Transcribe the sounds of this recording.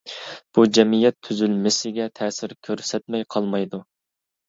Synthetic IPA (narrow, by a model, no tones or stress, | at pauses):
b̥ud͡ʒɛmijɛt̪ʰːyzylmɪsɪɡʲɛt̪ʰɛːsɪɾkʲʰøɾsɛt̪mɛjqʰɑlˠmɑjd̪u